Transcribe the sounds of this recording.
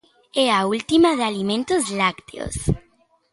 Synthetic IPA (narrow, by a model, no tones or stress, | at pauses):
eault̪imaðealimẽnt̪ozlakt̪ḛo̰s